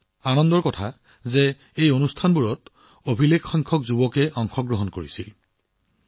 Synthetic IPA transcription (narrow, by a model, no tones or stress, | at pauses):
anɔndɔɹkɔtʰa | zɛ | ejonustʰanbuɹɔt | obʱilekxɔjŋkʰɔkzubɔkɛʔɔŋxʰɔɡɹɔɦɔnkoɹisil